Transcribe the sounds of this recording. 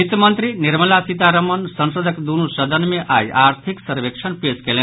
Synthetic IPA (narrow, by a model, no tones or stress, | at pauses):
it̪əmʌnt̪ɾiniɾməlasit̪aɾəmʌnsʌnsod̪əkd̪unusəd̪ʱənmeʔajaɾt̪ʰiksəɾbekt͡ʃʰənpeskele